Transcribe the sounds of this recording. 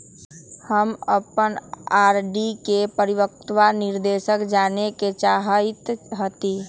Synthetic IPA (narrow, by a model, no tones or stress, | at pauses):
həməpənaːɾɖikepəɾiwək̚t̪wanɪɾd̪eːʃəkd͡ʒaːneket͡ʃaːɦit̪ɦət̪i